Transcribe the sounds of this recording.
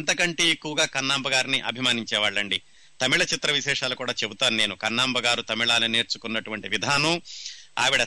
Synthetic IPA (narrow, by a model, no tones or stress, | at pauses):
nt̪ɐkɐɳʈeekːuʋɐɡaːkɐnːaːmbɐɡaːɾiniʔɐ̰bʱimaːniɲt͡ʃɛːʋaːɭːɐɳɖi | t̪ɐmiɭɐt͡ʃit̪ɾɐʋiʃɛːʂaːlukuːɽaːt͡ʃebut̪aːnune̞ːnukɐnːaːmbʱɐɡaːɾut̪ɐmiɭaːlɐne̞ːɾt͡ʃukunːɐʈuʋɐɳʈiʋid̪ʱaːnua̰ːʋiɽɐ